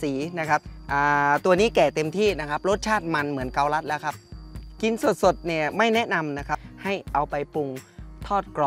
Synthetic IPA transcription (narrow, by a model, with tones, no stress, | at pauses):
siː˩˦na˦˥kʰa˦˥p̚ʔaː˨˧˩t̪u˧ɐniː˦˥˩kɛː˨˩t̪e˧mt̪ʰiː˥˩na˦˥kʰa˦˥p̚ɾo˦˥t̪̚t͡ɕʰaː˥˩t̪̚ma˧nmɯ˩˦ənka˧wla˦˥t̪̚lɛː˦˥wkʰa˦˥p̚ki˧nsu˨˩ət̪̚so˨˩t̪̚niː˧˩ma˥˩jnɛ˦˥ʔna˧mna˦˥kʰa˦˥ha˥˩jʔa˧wpa˧jpu˧ŋt̪ʰɔː˥˩t̪̚klɔː˨˧